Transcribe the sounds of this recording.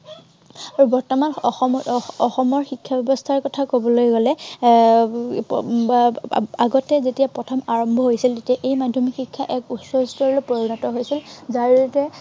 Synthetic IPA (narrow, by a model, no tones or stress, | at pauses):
aɹubɔɹtɔmanɔxɔɔxɔmɔɹxikʰːabɛbɔstʰaɹkɔtʰakobɔlojɡɔlɛ | aɡɔtɛzetijapɹɔtʰɔmaɹɔmbʱɔɦojsiltetiaʔejmadʱjɔmikxikʰːaʔɛkutsɔstɔɹɔlopoɹinɔtɔɦojsilzaɹtɛ